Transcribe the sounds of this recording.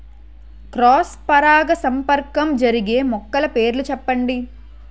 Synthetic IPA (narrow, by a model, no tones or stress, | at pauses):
kɾɔːspɐɾaːɡɐsɐmpɐɾkɐmd͡ʒɐɾiɡe̞ːmɔkːɐlɐpeːɾlut͡ʃɛpːɐɳɖi